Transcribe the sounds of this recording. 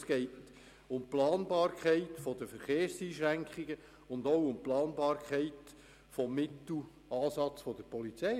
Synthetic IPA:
sɡ̥ɛɪt | ʊmplɑːnbɑːɾkʰχæɪtfɔd̥əfəɾχeːɾsiːʃɾæŋkχɪɡə | ʊndowʊmplɑːnbɑːɾkʰχɛɪt | fɔmːɪtl̩ | ɑːsɑt͡sfɔd̪əɾpɔlit͡sɛ

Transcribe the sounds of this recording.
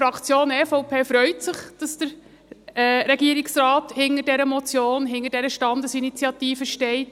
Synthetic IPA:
ɾɑkʰt͡sjoːnɛfɔwpʰeːfɾœʏtsɪχd̥ɑsd̥əɾ | ɾɛɡiːəɾiksrɑːthɪŋədɛɾəmɔt͡sjoːnɦɪŋədɛɾəʃtɑndəsinit͡sjɑt̪iːfəʃtɛɪt

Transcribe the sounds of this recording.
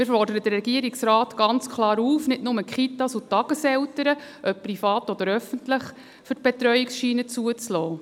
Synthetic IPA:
mɪːɾfɔrd̥əɾəd̥̪əɾɛɡiəɾiksɾaːt̪ɡ̥ɑnt͡skʰlɑːɾuːfnɪtnʊməkχitɑsutːɑɡ̥əsɛwtəɾəʔœp̚pːrifɑːt̪ɔd̥̪əɾœfəntləχ | fʏt̚b̥ɛt̪ɾœjiksʃiːnət͡suət͡slɔː

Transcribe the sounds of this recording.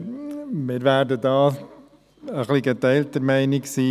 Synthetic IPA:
mɪːɾʋæːɾdədɑː | əχliɡɛt̪ɛɪltəɾmæɪniksiː

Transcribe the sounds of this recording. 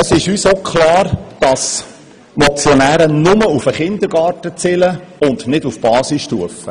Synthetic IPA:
əsɪʃyːsokʰχlɑːɾd̥ɑs | mɔt͡sjɔnæːɾənʊməufəχɪnd̪əɾɡ̥ɑːɾtət͡sɪləʊndnɪdufb̥ɑːsisʃtuəfə

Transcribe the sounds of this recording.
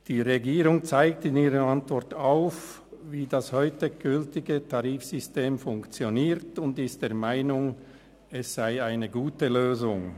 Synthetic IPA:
d̥iːʁeɡiːʁʊŋt͡saɪk̚tɪniːʁəantv̥ɔʁtaʊf | viːdashɔʏtəɡ̥ʏltɪɡətʰaʁiːfsʏsteːmfʊŋkt͡sjoniːʁtʊndɪst̚d̥eːɐmaɪnʊŋ | ɛsz̥aɪaɪnəɡuːtəløːzʊŋ

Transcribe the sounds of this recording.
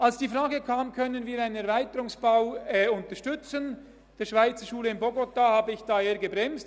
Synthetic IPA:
ʔalsd̥iːfʁaːɡəkʰaːmkʰœnənviːɾaɪnənɛɐɾvaɪtəɾʊŋsb̥aʊɛʊntəʃtʏt͡sən | d̥eːɐʃv̥aɪt͡səʃuːləɪnbɔɡotahaːbəɪçd̥aːeːɐɡəbʁɛmst

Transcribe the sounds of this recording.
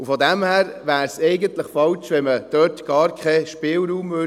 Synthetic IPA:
ufɔdæmhæːɾʋæːɾsɛɪɡəntləχfɑlt͡ʃʋɛnməd̥œːtɡ̥ɑːɾkʰχɛʃpɪːlɾuːmvø

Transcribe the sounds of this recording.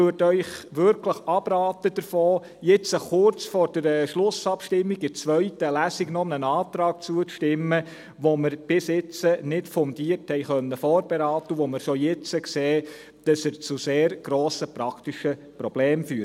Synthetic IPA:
yːtœʏχʋʏɾkʰləχɑb̥ɾɑːtəd̥əɾfɔː | jɪt͡səχʊrt͡sfɔːɾd̥əɾʃlʊsɑpʃtɪmːiɡɪt͡sʋœʏtəlæsiɡnɔnənɑːt̪ɾɑːk̚t͡suət͡sʃtɪmːə | ʋoməɾb̥ɪsjɪt͡sənɪtfɔnd̥iːərthɛɪχœnːəfɔːɾb̥eɾɑːt̪əʋoməɾʃojɪt͡səkseː | d̥ɑsəɾt͡suseːɾɡ̥ɾoːsəpɾɑktiʃə | pɾɔb̥leːmfyːɾ

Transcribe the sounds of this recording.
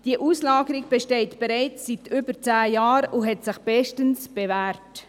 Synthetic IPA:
d̥iəʔuːslɑːɡəɾiɡ̚b̥eʃtɛɪtb̥eɾaɪt͡ssitʰʏbəɾt͡sæːjɑːɾʊɦɛtsɪχb̥ɛʃtənsb̥evæːɾt

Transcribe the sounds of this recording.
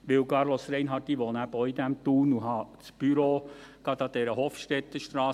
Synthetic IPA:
ʋɪwkɑɾlosɾɛɪnɦɑd̥̪iʋoːnæbəɔʏid̪æmt̪uːnuɦɑt͡sb̥yɾoɡ̥ɑd̪ɑd̪ɛɾəhoːfʃtɛt̪ːəʃtɾɑː

